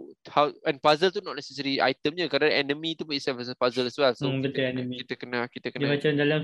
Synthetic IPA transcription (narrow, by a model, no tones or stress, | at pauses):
hawɛ̃npazəlt̪unɔʔ̚nɛsɛsəɾia̰jt̪əmɲakadãɛnə̃mĩt̪upuisɛvəsəpazəlɛswɛlsokət̪iɛnəmikit̪əkənakit̪əkənibat͡ʃand͡ʒalan